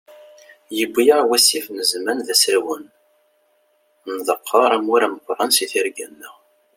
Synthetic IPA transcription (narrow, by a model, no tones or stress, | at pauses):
jəbʷːijəʁwæsifnəzmænðæsæwən | nðˤəqʰːɑɾˤæmuɾæməqʷːɾˤɑnsiθiɾɡæ̰nːəʁ